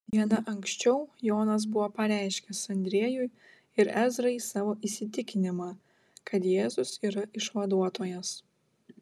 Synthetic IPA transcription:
ʋʲiɛnɐʔɐŋksʲt͡ʃʲɛʊjoːnɐs̬bʊʋoːpɐɾʲæˑɪʃʲkʲɛsɐnʲd̪ʲɾʲiɛjʊj | ɪɾæːzɾɐɪsɑːʋoːʔisʲɪt̪ʲɪkʲɪnʲɪmɑ | kʰɐt̪jeːzʊsiːɾɐʔɪʃʋɐd̪uɔt̪oːjɛs

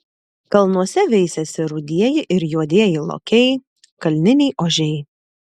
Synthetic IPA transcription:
kɐlˠnuɔsʲɛʋʲɛɪsʲɛsʲɪɾʊd̪ʲiɛjɪʔɪɾjuɔd̪ʲiɛjɪlˠo̰ːkʲɛɪ | kɐlʲnʲɪnʲɛɪʔoːʒʲɛɪ

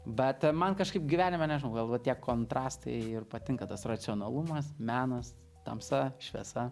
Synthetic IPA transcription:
bʲɛt̪mɐnkɐʃkɐɪp̚ɡʲɪʋʲæːnʲɪmʲɛnʲɛʒʲɪnɐʊɡɐlˠʋɐt̪ʲiɛkoːnt̪ɾɑːst̪ɐ̰ɪɪrpɐt̪ʲɪŋkɐt̪ɐsrɐt͡ssʲɪoːnɐlˠumɐsmʲæːnɐs | t̪ɐ̰msɐʃʲʋʲɛɛsɐ

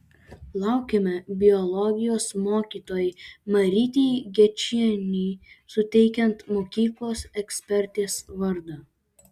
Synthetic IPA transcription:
lˠɑˑʊkʲemʲɛbʲɪɔlˠɔɡʲɪjoːsmoːkʲiːt̪oːjɪmɐɾʲit̪ʲiːɡʲɛt͡ʃʲiɛnʲiːsʊt̪ʲɛɪkʲɛnt̪moːkʲiːklˠoːsɛksʲpʲɛɾʲt̪ʲeːsʋɐɾd̪ɐ

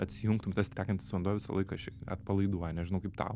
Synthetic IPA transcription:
ɐt̪ʲsʲɪjuŋkt̪ʊmt̪ɛsʲt̪ʲæːkɐnt̪ʲɪsʲɪʋɐnduɔjʋʲɪsɐ̰lˠɐɪkɐɐʃɐ̰t̪̚pɐlˠɐɪd̪uɔjɛnʲɛʒʲɪnɐʊkɐɪpt̪ɑ̰ʊ

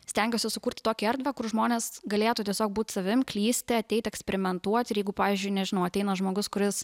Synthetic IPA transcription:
sʲt̪ʲæŋʲɡʲoːsʲɪsʊkuːɾʲt̪ʲt̪oːkʲiɐɾʲd̪ʲʋʲɛːkʊrʒmoːnʲeːsɡɐlʲeːt̪uːt̪ʲiɛsʲoːk̚buːt̪ʲsɐʋʲɪmklʲiːsʲt̪ʲɪɐt̪ʲɛɪt̪ʲɛksʲpʲɛɾʲɪmʲɛnt̪uɔt̪ʲɪɾjɛɪɡʊpɑːʋʲiːzʲd͡ʒʲʊɪnʲɛʒʲɪnɐʊɐt̪ʲɛɪnɐʒmoːɡʊskʊɾʲɪs

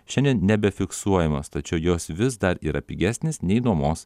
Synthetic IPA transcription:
ʃʲɛnʲd̪ʲiɛnnʲɛbʲɛfʲɪksuɔjɛmɐst̪ɐt͡ʃʲɛʊjoːsʋʲɪs̬d̪ɐɾḭːɾɐpʲiɡʲæːsʲnʲeːsnʲɛɪd̪uːmoːs

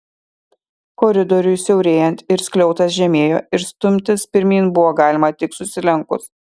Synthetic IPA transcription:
kɔɾʲɪd̪ɔɾʲʊjsʲɛʊɾʲeːjɛnt̪ɪɾsʲkʲlʲɛʊt̪ɐs̬ʒʲɛmʲeːjoːɪɾst̪ʊmʲt̪ʲɪspʲɪɾʲmʲiːnbʊʋoːɡɑːlʲɪmɐt̪ʲɪksʊsʲɪlʲɛŋˑkʊs

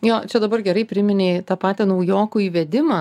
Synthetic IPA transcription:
joːt͡ʃʲɛd̪ɐbɐrɡʲɛɾɐɪpʲɾʲɪmʲɪnʲeɪt̪ɑːpɑːt̪ʲɛnɐʊjoːkuːiːʋʲɛd̪ʲɪmɑ

